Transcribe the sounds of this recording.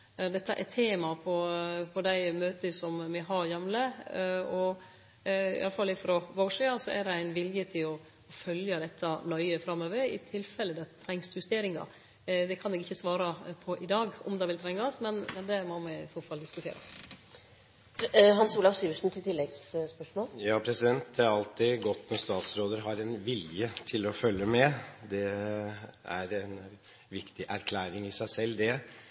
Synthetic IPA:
d̪ɛt̪ːəʔɛt̪ʰeːmɑpʰɔpʰɔd̪æɪmøːt̪əsɔmmɛɦɑɾjɛmləɔ | ɪ̰ɑləfɑlːɪfɾɔʋɑoːʂiːɑsɔʔæd̪ɛæɪnʋɪljət̪ʰɪlɔ | ɔfœljəd̪ɛt̪ʰːɑnɔʏəfɾɑmːøːʋəɾɪ̰t̪ʰɪlːfɛlːəd̪ɑt̪ʰɾɛŋshʉst̪eːɾɪŋɑ̰ | d̪ɛkʰɑnɛɡɪçːəsʋɑːɾɑpʰɔʔɪd̪ɑːɡɔ̰md̪ɑːʋɪlt̪ʰɾɛŋːɑsmɛnmɛnd̪ɛmɔmɛɪsoːfɑld̪ɪskʉt̪ʰḛːɾə̰ | ɦɑnsuːlɑʋsyːʋəʂn̩t̪ʰɪlt̪ʰɪlːɛɡsspœʂmoːljɑːpʰɾɛsɪd̪ɛnt̪̚d̪ɛæɾɑlt̪ɪɡɔt̪ːnɔst̪ɑːt̪sɾoːd̪əɾɦɑɾɛnʋɪljət̪ʰɪlɔfœlːəmɛd̪ɛ | æɾɛn | ʋɪkt̪ɪʔæɾkʰlæːɾɪŋɪsæɪsɛlːd̪ɛ

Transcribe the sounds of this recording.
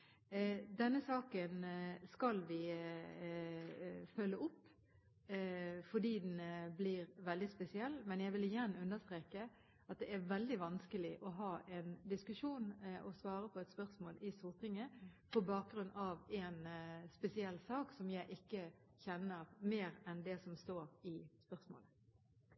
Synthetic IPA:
d̪ɛnːəsɑːkənskɑlʋɪ | fœlːəɔpː | fɔd̪iːd̪nbliːɾʋɛld̪ɪspɛsɪɛlːmɛnjæɪɡʋɪlɪjæɾnːəʉnd̪əst̪ɾeːkə | ɑt̪̚d̪ɛʔæɾʋɛld̪ɪʋɑnskəlɪʔɔɦɑːʔɛnd̪ɪskʉʂuːnʔɔsʋɑːɾəpʰɔɛt̪spœʁsmoːlʔɪsʊʁt̪ʰɪŋəpʰɔbɑːk̚ɡɾʉnːɑʋɛnspɛsɪɛlːsɑːksɔmjæɪʔɪkːə | çɛnːəɾmeːɾɛnd̪ɛsɔmst̪oːɾɪspœʁsmo̰ːlə

